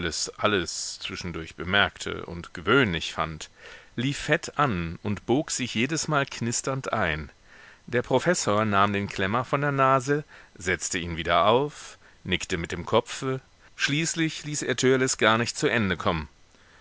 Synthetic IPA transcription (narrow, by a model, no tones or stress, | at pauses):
ləsʔaləst͡sv̥ɪʃn̩dʊɐçb̥əmɛɐktʰə̰ʔʊ̰ntɡ̥əvøːnlɪçfa̰ntliːfːɛtʔanʊntb̥oːkz̥ɪçjeːdəsmaːlkʰnɪstɐntʔa̰ɪn | d̥eːɐpʁ̥ofɛsoːɐnaːmdeːnkʰl̥ɛmɐfɔndeːɐnaːzəzɛt͡stəiːnviːdɐʔaʊf | nɪktəmɪt̚d̥eːmkʰɔpfə | ʃliːslɪçliːsʔeːɐtʰøːɐləsɡ̥aːɐnɪçt̚t͡suʔɛndəkʰɔmən